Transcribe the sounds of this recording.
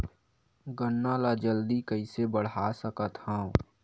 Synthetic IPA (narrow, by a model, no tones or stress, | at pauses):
ɡənːaːlad͡ʒəld̪ikəɪsebəɽ̤aːsəkət̪hãːõ